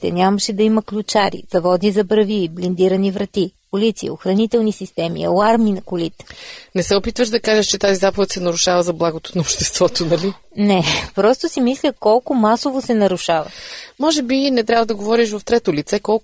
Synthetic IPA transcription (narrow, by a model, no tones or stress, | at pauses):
t̪ɛ̰nʲamɐʃɛd̪ɐimɐklʲut͡ʃaɾḭzɐvɔd̪nizɐbɾɐviblind̪iɾɐnivɾɐt̪ipolit̪siḭoxɾɐnit̪ɛlˠnisist̪ɛmḭɐ̰aɾminɐkʊlit̪nɛsɛopit̪vəʃd̪ɐkaʒəʃt͡ʃɛt̪azizapovɛt̪sɛnɐɾʊʃavəzɐblˠaɡot̪o̥nɐopʃt̪ɛst̪vɔt̪onɐli | nɛpɾɔst̪ʊsimislʲəkɔlˠkʊmasovosɛnɐɾuʃavə̰mɔʒɛbinɛt̪ɾʲabvəd̪ɐɡovɔɾiʃ̬vɐft̪ɾɛt̪olit̪sɛkɔlˠ